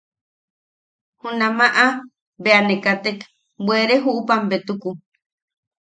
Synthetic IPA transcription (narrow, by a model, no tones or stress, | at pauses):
hunãmaʔa | beanekat̪ek | bweɾeɦuʔupambet̪uku